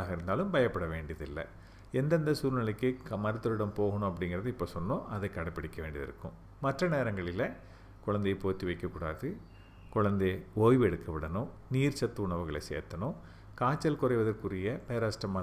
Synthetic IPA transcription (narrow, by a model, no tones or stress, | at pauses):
aːɣɐɪɾɯnd̪aːlɯmbɐjɐpːɐɽɐʋeːɳɖijɐðɪlːɐ̰ | ɛnd̪ɐnd̪ɐsuːɾnɐlɐkːɯmɐɾɯt̪ːɯɾɯɽɐmpoːɣɐɳʊ̃ɐp̬ːɐɽɪŋɡɪrɐðɯɪpːoːsɔnːõʔɐðɐɪkːɐɽɐpːɐɽɪkːɐʋeːɳɖiɐðɪ̰ɾɯ̰kːɯ̰̃m | mɐʈrɐneːɾɐŋɡɐɭɪlɐ | kʊɻɐnd̪ɐjpoːt̪ːiʋɐɪkːɐkːuːɽa̰ːðɯ | kʊɻɐnd̪eoːjʋɛɽɯkːɐʋɪɽɐnʊ̃niːrt͡ʃɐt̪ːɯʊɳɐʋɯɣɐɭɐɪsḛːɾt̪ːɐnʊ̃ | kaːt͡ʃːɐlkʊrɐɪʋɐðɐrkɯrɪjɐpeːɾaːsʈrɐmɐ